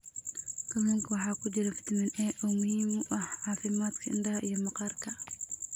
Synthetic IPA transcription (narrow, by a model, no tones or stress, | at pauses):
kɐmɛŋkʰɐwɑħɑːkʰʊt͡ʃɪɾɐfɪ̥t̪ʰmɪnɛːʔɔːmʊhiːmʔɐhʕɑːfɪmaːd̪kʰɐɪnɖɐhɐʔijɔmɑqɑːrkʰɐ